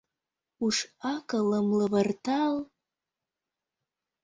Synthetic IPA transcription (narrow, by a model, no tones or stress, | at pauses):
uʃɑkələmləvərt̪ɑl